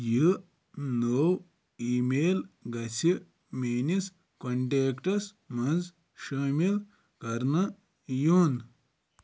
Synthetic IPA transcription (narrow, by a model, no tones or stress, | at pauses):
ji | noːw | iːmeːlɡɐsʰi | meːnis | kɐɳʈeːkʈɐs | mɐnd͡z | ʃɐːmil | kɐɾnɐ | juːn